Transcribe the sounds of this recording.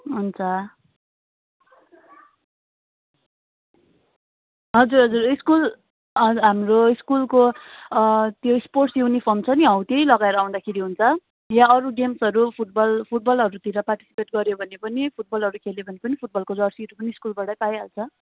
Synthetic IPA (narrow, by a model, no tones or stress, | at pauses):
ɦunt͡sʰʌ | ɦʌd͡zurɦʌd͡zuriskul | ɦamroiskulko | t̪joisporʈsjuwnipʰomt͡sʰʌniɦʌwt̪ejlʌɡaeɾʌːw̃nd̪akʰeɾiɦunt͡sʰʌ | jãʌɾuɡemsʌɾupʰuʈ̚bʌlpʰuʈ̚bʌlɦʌɾut̪iɾʌparʈi̥si̥peʈɡʌɾjobʱʌnepʌnipʰuʈ̚bʌlɦʌɾukʰelebʱʌnepʌnipʰuʈ̚bʌlkod͡zʌrsiɾupʌniːskulbaɽʌjpajɦalt͡sʰʌ